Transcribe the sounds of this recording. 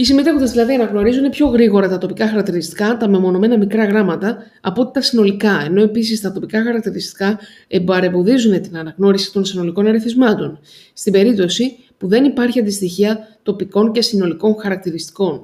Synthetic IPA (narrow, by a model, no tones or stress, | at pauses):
isimit̪efod̪ɐzðilɐðiɐnɐɣno̞ɾizune̞pço̞ɣɾiɣo̞ɾɐt̪ɐt̪o̞pikɐxɐɾɐk̚t̪iɾist̪i̥kɐt̪ɐmemo̞no̞me̞nɐmikɾɐɣɾɐmɐt̪ɐ | ɐpo̞t̪i̥t̪ɐsino̞likɐe̞no̞e̞pis̬ist̪ɐt̪o̞pikɐxɐɾɐk̚t̪iɾist̪i̥kɐ | ebɐɾe̞vo̞ðizune̞t̪inɐnɐɣno̞ɾisi̥t̪o̞nsino̞liko̞nɐɾiθizmɐt̪o̞n | st̪ibe̞ɾip̚t̪o̞si | puðe̞nipɐɾçiɐnd̪ist̪içiɐt̪o̞piko̞nce̞sino̞liko̞nxɐɾɐk̚t̪iɾist̪i̥ko̞n